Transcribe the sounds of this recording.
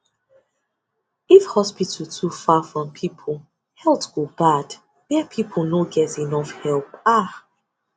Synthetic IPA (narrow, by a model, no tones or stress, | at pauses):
ifhɔspitʰətʰufafɹɔ̃mpʰipʰə | hɛlˠpsɡ̥obad | wɛpʰipʰənoɡɛtinɔfhɛlˠpa